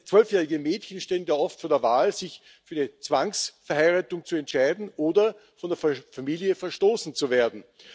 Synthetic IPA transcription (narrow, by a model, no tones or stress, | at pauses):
t͡sv̥œlfjɛːʁɪɡəmeːtçənʃteːənjaːʔɔftfoːɐdeːɐvaːlzɪç | fyːɐdit͡sv̥aŋsfɛɐhaɪʁaːtʊŋt͡suɛntʃaɪdn̩ʔoːdɐ | fɔndeːɐfamiːljəfɛɐʃtoːsn̩t͡suveːɐdn̩